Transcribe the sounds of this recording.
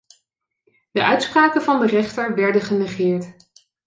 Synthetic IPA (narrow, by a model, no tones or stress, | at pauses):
d̥əʔœɥtspraːkənvɑndərɛχtəɹʋɛɹdəχənɛχɪːɹt